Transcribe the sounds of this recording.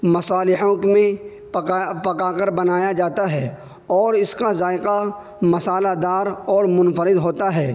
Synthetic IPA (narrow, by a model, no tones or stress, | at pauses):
mɐsaːlɪɦõkmẽ | pkapɐkaːkəɾbɐnaːjad͡ʒaːt̪aɦɛː | ɔːɾɪskazaːɪqa | mɐsaːlad̪aːɾɔːɾmʊnfəɾɪd̪ɦoːt̪aɦɛː